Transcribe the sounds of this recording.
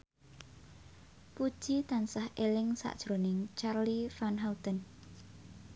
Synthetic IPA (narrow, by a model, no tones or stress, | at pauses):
pud̥ʒ̥it̪ansahelɪŋsa̰ʔd̥ʒ̥ɾonɪŋt͡ʃarlifanɦawt̪ən